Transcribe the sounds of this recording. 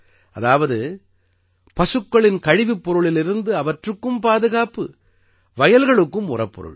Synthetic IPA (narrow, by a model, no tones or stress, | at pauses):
ʔɐðaːʋɐðɯ | pɐsɯkːɐɭɪnkɐɻɪʋipːɔɾɯɭɪlɪɾɯnd̪ɯɐʋɐʈrɯkːɯmpaːðɯɣaːpɯ | ʋɐjɐlɣɐɭɯkːɯmʊrɐpːɔ̰ɾɯ̰ɭ